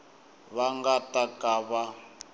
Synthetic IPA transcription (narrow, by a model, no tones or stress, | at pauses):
βaŋɡatakaβa